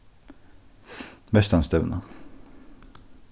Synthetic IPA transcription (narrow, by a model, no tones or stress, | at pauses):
bɛst̪anst̪œːna